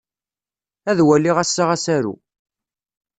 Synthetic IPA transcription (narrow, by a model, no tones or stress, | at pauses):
æðwælːiʁæsːaʁæsæɾṵ